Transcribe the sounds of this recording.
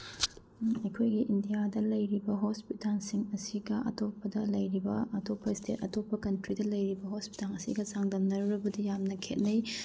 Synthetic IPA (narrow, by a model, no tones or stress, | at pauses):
ɐjkʰojɡiʔindijadɐlɐjɾibɐɦospitalsiŋɐsiɡɐʔɐ̰topːɐdɐlɐjɾibɐɐtopʰːɐstʰetɐtopːɐkɐntɾidɐlɐjɾibɐɦospi̥talɐsḭɡɐsaŋdɐmnɐɾuɾɐbɐdijamnɐkʰet̚nɐj